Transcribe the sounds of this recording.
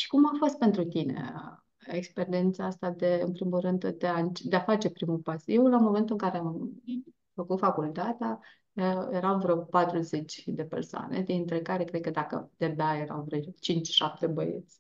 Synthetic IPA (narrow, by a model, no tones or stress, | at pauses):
ʃi̥kumafo̞st̪̚pe̞nt̪ɾut̪inḛ | ekspe̞ɾient̪saast̪ad̪e̞ɨnpɾimulrɨnd̪d̪eaɨnt͡ʃd̪eafat͡ʃe̞pɾimupasjewwlamo̞me̞nt̪uɨŋkaɾeam | fəkut̪fakult̪at̪ea | əjeɾawvɾəpat̪ɾuze̞t͡ʃʲd̪e̞pḛrsoa̰nḛd̪int̪ɾe̞kaɾe̞kɾed̪̚kəd̪akə̰d̪̥ed̪aje̞ɾa̰wvɾt͡ʃint͡ʃʲʃap̚t̪e̞bəjḛt̪sʲ